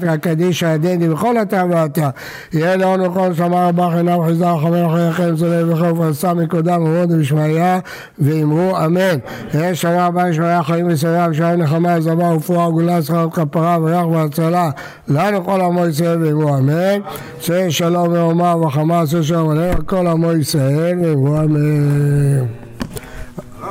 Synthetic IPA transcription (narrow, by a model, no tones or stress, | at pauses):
t̪ʁakad̪iʃad̪end̪ivexo̞lat̪aveat̪a | jelonoqonʃamaʁabaxinavħizaxamexajakemz̬oleveχoufasamikod̪ameod̪miʃmaja | veimʁuamen | eʃamabamiʃmajaχaimis̬ajakiʃ̬aamnexamazamaufuaɡulasaat̪kapaʁaveʁaχveat͡sala | lanuko̞lamois̬ʁaelveimʁuamen | seʃalo̞meomaveχamas̬eʃ̬alomalenakolhamoisʁaelveimʁuame